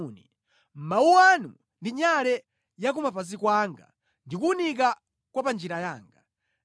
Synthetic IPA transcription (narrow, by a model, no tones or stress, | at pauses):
ni | m̩mauwanu | ndiɲalɛ | jak̬umapazikwaŋɡa̰ | ndik̬uunika | kwapand͡ʒiɾajaːŋɡa